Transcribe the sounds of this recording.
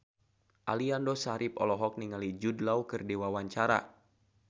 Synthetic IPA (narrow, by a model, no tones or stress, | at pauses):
ʔaliandɔsaɾʔip̚ɔ̰lɔɦɔk̚niŋalid͡ʒudlawkɨrdewawaɲt͡ʃaɾa̰